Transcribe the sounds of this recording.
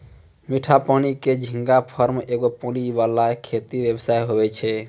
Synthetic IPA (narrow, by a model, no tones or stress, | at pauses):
miʈʰapaniked͡ʒʱĩŋɡapʰəɾmeɡopɔnibalakʰet̪ibjəbsajɦobɛt͡ʃʰɛ